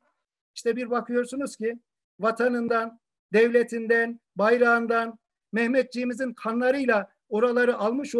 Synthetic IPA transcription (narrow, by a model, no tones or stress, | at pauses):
iʃt̪ʰɛbiɾbakʰɯjo̞ɾsunuz̥ci | vat̪ʰanɯnd̪an | d̪ɛvlʲet̪ʰind̪æn | bajɾand̪an | mɛhmɛt̪̚d͡ʒimizinkʰanlˠaɾɯjlˠa | o̞ɾalˠaɾɯʔalˠmɯʃ